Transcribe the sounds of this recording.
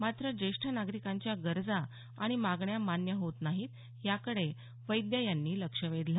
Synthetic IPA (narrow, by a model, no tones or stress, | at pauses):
mat̪ɾəd͡ʑeʂʈʰanaɡɾikãɲt͡ɕjaɡəɾd͡zaː | ɽ̃imaɡɳjamanjəɦot̪naɦiːt̪ | jakəɽe | ʋəjd̪jajanːiːləkʂəʋed̪la